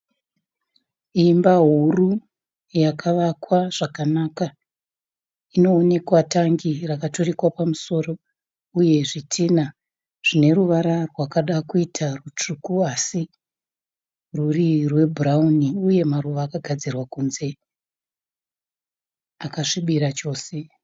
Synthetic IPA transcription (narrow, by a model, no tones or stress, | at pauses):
imbaɦuru | jakʰaʋakwaʐ̥akanaːka | ino̞ːne̞kwataŋɡirakato̞rikwapamuso̞ːro̞ | uje̞ʐitʰina | ʐ̥ine̞ruʋaɾarwakaɗakuitʰarut͡ʂukuasi | rurirwe̞bʱurauniuje̞maruʋaːkaɡʱad͡zirwakunze̞ | akaʂiɓiɾat͡ʃo̞ːse̞